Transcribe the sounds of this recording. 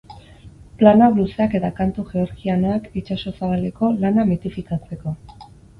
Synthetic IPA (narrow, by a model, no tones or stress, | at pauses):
planaɣluseake̞t̪akant̪uʝe̞oɾkianoakit͡ʃaso̞saβale̞ko̞lanamit̪ifikat͡se̞ko̞